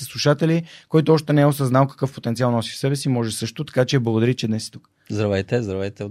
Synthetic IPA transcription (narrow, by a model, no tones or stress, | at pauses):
slˠuʃat̪ɛlikɔjit̪ʊɔʃt̪ɛnɛɛʊsɐznalˠkɐ̥kɤfpot̪ɛnt̪sialˠnɔsifsɛbɛsimɔʒɛsɤʃt̪ʊt̪ɐ̥kat͡ʃɛɛblˠɐɡod̪ɐɾit͡ʃɛd̪nɛsi̥t̪uk | zd̪ɾɐvɛjt̪ɛzd̪ɾɐvɛjt̪ɛ